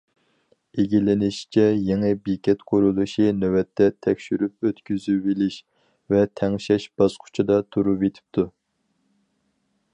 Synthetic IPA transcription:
eɡʲilɪnɪʃt͡ʃʰɛjeŋɨbikʲɛt̪qʰʊɾulˠuʃinøwɛt̪ʰːɛt̪ʰɛkʲʃyɾyp̚øt̪kʲyzybilɪʃ | vɛt̪ʰɛŋʃɛʃbɑz̥qʰʊ̥t͡ʃʰɑd̪ɑt̪ʰuɾuvet̪ʰɪ̥p̚t̪ʰu

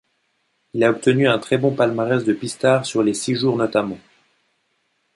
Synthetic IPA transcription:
ilaɔp̚t̪ənyɛ̃t̪χɛbɔ̃palmaʁɛzd̪əpist̪aʁsyʁlesiʒuʁnɔt̪amɑ̃

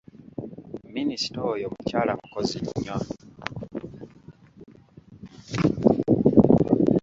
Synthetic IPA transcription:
minisi̥tojomucaːlakukoziɲɲːwa

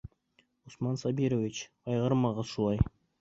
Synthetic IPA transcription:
ʊsmɑnsabʲiɾovʲit͡ʃ | ɑjʁɑɾmɑʁɑʃulˠɑj

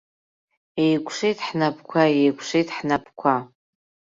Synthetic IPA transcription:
ejkʷʂejtʰħnap̚ʰkʷʰaejkʷʰʂejtħnapʰkʷʰa

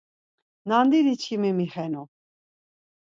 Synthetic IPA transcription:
nand̪id̪it͡ʃʰimimiχɛnu

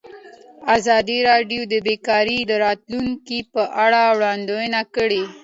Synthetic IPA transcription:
azɑd̪iɾɑɖjod̪əbekɑɾid̪əɾɑt̪luŋkipəʔaɽawɽɑnd̪ojənakəɽe

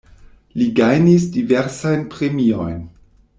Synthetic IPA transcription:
liɡajnisdiveɾsajnpɾemiojn

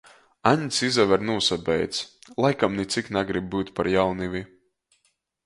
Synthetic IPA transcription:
aɲsizavɛɾnuɔsabɛjt̪slˠajkamnit̪siknaɡɾib̚ːɨːt̪ʲpaɾjawnivʲi

